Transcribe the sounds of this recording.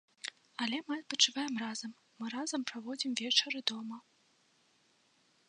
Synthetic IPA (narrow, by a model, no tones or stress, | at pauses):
ɐlʲɛmɨɐt̪̚pɐt͡ʂɨvajɛmrazɐmːɨɾazɐmpɾavɔd͡zʲimvʲɛt͡ʂɐɾɨd̪ɔmɐ